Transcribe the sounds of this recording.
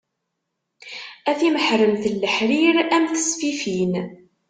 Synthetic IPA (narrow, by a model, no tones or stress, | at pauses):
æθiməħɾəmθlːəħɾiɾæmθə̥sfifin